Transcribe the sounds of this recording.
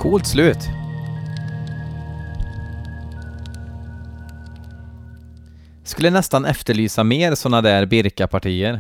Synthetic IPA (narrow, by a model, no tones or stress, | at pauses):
kʰuːlt̪slʉ̟ːt̪ | skɵlːənɛst̪anɛft̪əɭyːsameːɾsɔnad̪æːɾbɪɾkapʰaʈʰiːəɾ